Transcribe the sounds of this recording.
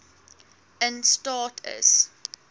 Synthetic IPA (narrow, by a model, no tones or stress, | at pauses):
ə̃nstɑːtʰə̰s